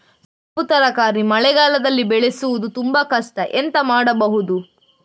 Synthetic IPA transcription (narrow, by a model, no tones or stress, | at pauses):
sɐput̪ɐɾɐkaːɾimɐɭɛɡaːlɐd̪ɐlːibɛɭesuʋud̪ut̪umbɐkɐʂʈɐʔent̪ɐmaːɽɐbɐɦud̪u